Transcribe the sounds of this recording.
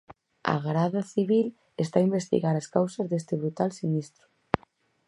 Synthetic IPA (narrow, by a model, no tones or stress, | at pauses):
a̰ɣɾaðaθiβ̞il | est̪aimbest̪ḭɣaɾaskawsɐzðest̪ɪβɾut̪alsinist̪ɾʊ̥